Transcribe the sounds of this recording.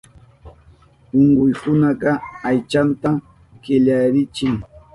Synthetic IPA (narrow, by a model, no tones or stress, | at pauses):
ʊɴɢʊjkʊnɑɢɑajt͡ʃant̪a | kɪʎaɾɪt͡ʃɪŋ